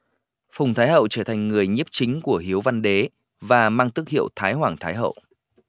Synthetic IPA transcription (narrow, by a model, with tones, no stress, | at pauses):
fʊ˨˩ŋ͡mt̪ʰaː˨˦jɦə̰˧˨wt͡ɕəː˧˩t̪ʰa˨˩ŋ̟ŋɨ˨˩əjɲi˦˥əp̚t͡ɕï˨˦ŋ̟ku˧˩əhi˨˦əwva˧nɗe˨˦ | vaː˨˩maː˧ŋt̪ɨ˦˥k̚hḭ˧˨əwt̪ʰaː˨˦jhwaː˨˩ŋt̪ʰaː˨˦jɦə̰˧˨wʔ